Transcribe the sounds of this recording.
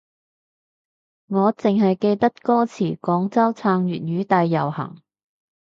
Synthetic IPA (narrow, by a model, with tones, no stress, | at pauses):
ŋɔː˨˧t͡sɪ˨ŋɦɐ˨jke˧jt̪ɐ˥t̚kɔː˥t͡sʰiː˨˩kɔː˨˥ŋt͡sɐ˥wt͡sʰaː˧ŋjyː˨t̚ɥyː˨˧t̪a˧jːɐ˨˩whɐ̰˨˩ŋ